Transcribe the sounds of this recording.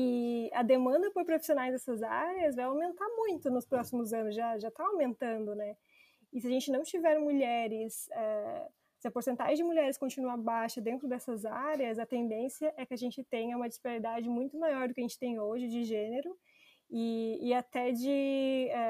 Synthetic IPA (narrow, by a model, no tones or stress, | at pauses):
ɪɐd̪emɐ̃nd̪ɐpoɾpɾofi̥sionajzd̪ɛsɐza̰ɾeɐzvajawmẽnt̪aɾmũj̃t̪ʊnʊspɾɔsimʊzɐ̃nʊsʒaʒat̪aawmẽnt̪ɐ̃nd̪ʊnɛ | ɪsɪaʒẽnt͡ʃɪnɐ̃w̃t͡ʃivɛɾmuʎɛɾɪsɛ | sɪɐpoɾsẽnt̪a̰ʒẽd͡ʒɪmuʎɛɾɪskõnt͡ʃinuabajʃɐd̪ẽnt̪ɾʊd̪ɛsɐzaɾeɐzɐt̪ẽnd̪ẽsiɐʔɛkɪɐʒẽnt͡ʃɪt̪ẽj̃ɐũmɐd͡ʒispaɾɾid̪ad͡ʒɪmũj̃t̪ʊmajɔɾd̪ʊkɪɐʒẽnt͡ʃɪ̥t̪ẽj̃oʒɪd͡ʒɪʒẽneɾʊ | ɪːat̪ɛd͡ʒɪɛ